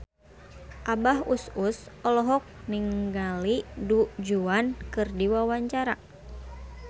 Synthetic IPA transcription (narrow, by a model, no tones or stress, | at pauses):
ʔabaɦususɔlɔɦɔk̚niŋɡalidud͡ʒuankɨrdiwawaɲt͡ʃaɾa